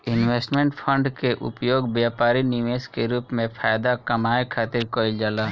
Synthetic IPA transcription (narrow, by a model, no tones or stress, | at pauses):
ɪnweːsʈmẽɳʈpʰə̃ɳɖkeʔʊ̰pjoːɡbjaːpaːɾinɪʋeːskeɾuːpmẽpʰaːjd̪akɐmaːekʰaːt̪ɪɾkoːɪld͡ʒaːlaː